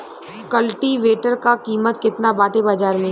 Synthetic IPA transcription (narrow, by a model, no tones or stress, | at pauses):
kəlʈiʋeːʈəɾkakiːmət̪kɪt̪nabaːʈebaːd͡ʒaːɾmẽ